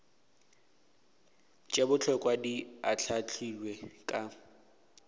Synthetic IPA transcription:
t͡ʃʼebʊt͡ɬʰɔkʼwadiat͡ɬʰat͡ɬʰilwekʼa

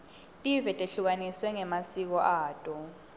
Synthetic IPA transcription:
tʼivɛtʼeɬuk̬aniswɛŋɛmasik̬ɔʔaːtʼɔ

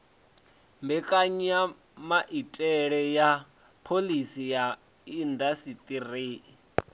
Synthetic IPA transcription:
mbɛkʼaɲa | maʔitʼɛɺɛja | pʰolisija | indasit̪ʼiriː

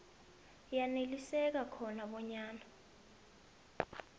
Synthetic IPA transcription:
janelisɛk̬akʰɔnaɓɔɲaːna

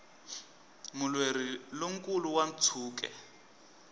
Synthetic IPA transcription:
mulweɾiloŋ̩kʼuluwan̩t͡sʰuːk̬ɛ̰

